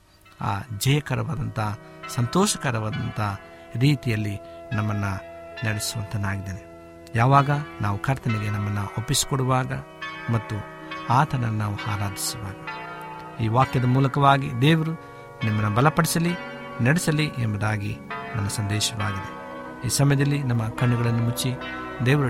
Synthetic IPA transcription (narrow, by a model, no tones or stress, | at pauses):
a̰ːd͡ʒɐjɐkɐɾɐʋɐd̪ɐnt̪ɐɦsɐnt̪ɔːʃɐkɐɾɐʋɐːd̪ɐnt̪ɐɐ | ɾiːt̪ijɐlːinɐmːɐnːu | nɐɽɛsuʋɐ̰nt̪ɐnaːɡid̪eːne | jaːʋaːɡɐnaːʋukʰɐɾt̪ɐniɡenɐmːɐnːuopːisi̥kɔɽuʋaːɡɐ | mɐt̪ːu | aːt̪ʰɐnɐlnaːʋuhaːɾaːd̪isuʋa̰ːɡɐ | iːʋaːkjɐd̪ɐmuːlɐkɐʋaːɡḭd̪eːʋɐɾu | nimːɐnːubɐlɐpɐɽisɐli | nɐɽɛsɐliʔembɐd̪aːɡḭnɐnːɐsɐnd̪ɛːʃɐʋaːɡid̪e | iːsɐmɐjɐd̪ɐlːinɐmːɐkɐɳːuɡɐɭɐnːumut͡ʃːi | d̪eːʋɐɾu